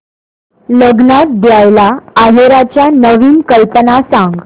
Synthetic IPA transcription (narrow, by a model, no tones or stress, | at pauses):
ləɡnat̪̚d̪jajlaːɦeɾat͡ɕjanəʋiːnkəlpənasãŋɡ